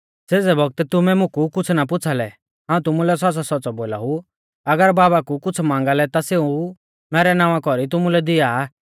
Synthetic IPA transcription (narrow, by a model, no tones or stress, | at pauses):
seːd͡zɛbɔɡ̚t̪t̪ʊmɛmʊ̃kukʊt͡sʰnap̬ʊt͡sʰalɛ | ɦãːũt̪̬ʊmulɛs̬ɔsasɔːt͡sɔboːla̰ɦu | ɐɡəɾbaːbakukʊt͡sʰmãːŋɡalɛt̪aseːu | mɛːɾɛnãːʋãkɔɾit̪̬ʊmulɛd̪ɪaː